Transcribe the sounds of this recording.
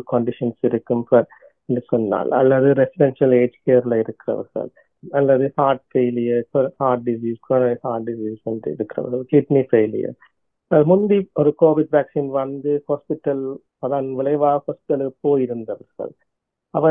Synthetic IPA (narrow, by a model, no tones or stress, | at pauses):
kɐɳɖɪʂɐnsɪɾɯkːɯmfɐɾ | ɛnɖɯsɔnːa̰ːlɐ̰lːɐðɯɾɛsɪɖɛnʂɐleːd͡ʒkeːɾlɐɪɾɯkːɪɾɐ̰ʋɐ̰ɾɣɐ̰ɭ | ɐlːɐðɯhaːʈ̚feːlɪjɐɾkɐɾhaːɾʈ̚ɖɪs̬iːskonɐhaːʈ̚ɖɪsiːsɛndrɯ̰ɪ̰ɾɯkːɪɾɐ̰ʋɐɾɣɐɭkɪʈnifeːlɪ̰jɐ̰ɾ | ɐmʊnb̪iɔɾɯkoːʋɪɖʋæːksiːnʋɐnd̪ɯhoːspɪʈːɐl | ɐðaːnʋɪlɐɪʋaːhoːspɪ̥ʈːɐlɯpːoːjɪɾɯnd̪ɐʋɐɾɣɐ̰ɭ | ɐʋɐ